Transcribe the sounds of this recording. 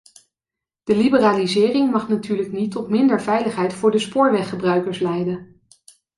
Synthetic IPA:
d̥əlibəraːlizɪːrɪŋmɑχnatyːɹləknitɔtmɪndəɹvɛjləχɦɛjtfʊːɹdəspʊːɹʋɛχəbrœɥkəɹslɛjdən

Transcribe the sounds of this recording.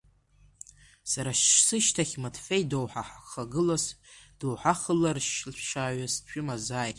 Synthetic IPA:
saɾaʃsɨʃtʰaχʲmatʰfe̞jdowħaħχaɡɨlasd̥owħaχəlarʃɪlpʷʰʂaːɥast͡ʃʷᶣʊmazaːjtʼ

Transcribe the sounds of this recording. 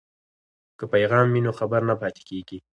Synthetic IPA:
kəpajɣɑmːinoxabaɾnapɑt̪e̥keɡi

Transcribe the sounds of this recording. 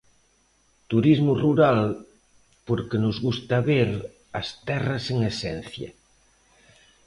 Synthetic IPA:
t̪uɾizmuruɾal | poɾkenozɣust̪aβeɾ | ast̪ɛraseŋesɛn̟θja̰

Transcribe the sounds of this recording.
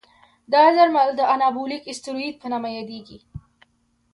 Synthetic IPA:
d̪ɑzaɾmald̪əanɑbulikɪst̪ɪɾoid̪̚pənamajɑd̪eɡi

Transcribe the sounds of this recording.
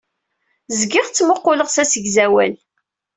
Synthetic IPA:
zɡɪʁt͡sːməqːʊləʁsæsəɡzæwæl

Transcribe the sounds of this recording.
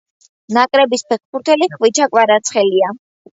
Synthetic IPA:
nakʼɾɛbispʰɛχpʰuɾt̪ʰɛliχvit͡ʃʰakʼwaɾat̪sʰχɛlia

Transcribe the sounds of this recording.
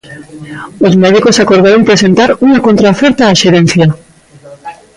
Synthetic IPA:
ozmeð̞ikosakoɾð̞aɾoŋpɾese̞nt̪aɾuŋakont̪ɾaofeɾt̪aːʃeɾen̟θja

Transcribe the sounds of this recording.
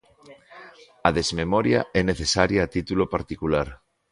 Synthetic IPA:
aðezmemɔɾja̰ʔɛneθesaɾjaːt̪it̪ulopaɾt̪ikulaɾ

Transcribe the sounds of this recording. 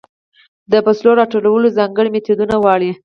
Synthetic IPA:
d̪əpasloɾɑʈolawəlozɑŋɡəɽimet̪ud̪unawwɑɽi

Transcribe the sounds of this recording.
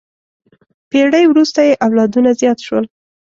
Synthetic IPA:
peɽəjwɾust̪ajeʔawlɑd̪unazjɑt̪ʃwə̰l

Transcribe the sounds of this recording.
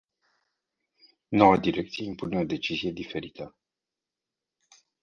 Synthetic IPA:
no̞wad̪iɾe̞kt̪sije̞impune̞o̞d̪e̞t͡ʃizije̞d̪ife̞ɾit̪ə

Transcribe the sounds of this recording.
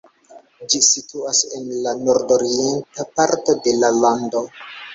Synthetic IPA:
d͡ʒisituase̞nlano̞ɾdo̞ɾientapaɾto̞de̞lalando̞

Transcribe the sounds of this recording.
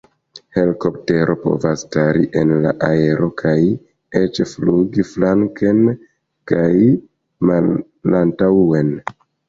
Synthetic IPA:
he̞liko̞p̚te̞ɾʔo̞po̞̰vastaɾiʔe̞nla̰ʔae̞ɾʔo̞kʰaj | et͡ʃfluɡiflaŋken | kaj | malː | antawe̞n

